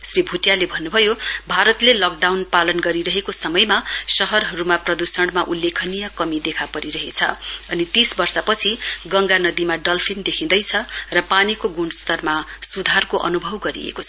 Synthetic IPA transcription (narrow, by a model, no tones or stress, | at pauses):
sribʱuʈjalebʱʌnːubʱʌjobʱaɾʌt̪lelʌk̚ɖawnpalʌnɡʌɾiɾʌɦekosʌmʌjmasʌɦʌrɦʌɾumaprʌd̪usʌɽmaʔulːekʰʌnijʌkʌmid̪ekʰapʌɾiɾʌɦet͡sʰʌ̰ʌnit̪isbʌrsapʌt͡sʰiɡʌŋɡanʌd̪imaɖʌlpʰind̪ekʰĩnd̪ʌjt͡sʰʌrʌpanikoɡunst̪ʌrmasud̪ʱarkoʔʌ̰nubʱʌwɡʌɾḭḛkot͡sʰʌ